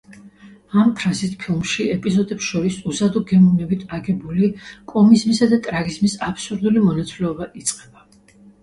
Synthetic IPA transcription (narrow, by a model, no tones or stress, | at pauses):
ampʰɾazit̪ʰpʰilˠmʃiɛpʼizɔd̪ɛpsʃɔɾisuzad̪ɔɡɛmɔnɛbit̪ʰaɡɛbulikʼɔmizmisad̪at̪ʼɾaɡizmisapʰsuɾd̪ulimɔnat̪sʼilɛɔbaʔit̪sʼqʼɛb̥a